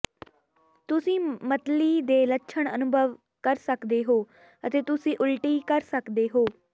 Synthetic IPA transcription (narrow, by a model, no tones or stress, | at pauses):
t̪ʊsĩːmət̪liːd̪eːləkːʃʰəɳənʊbʱəʋ | kəɾsəkd̪eːɦoː | ət̪eːt̪ʊsĩːʔʊlʈiːkəɾsəkd̪eːɦoː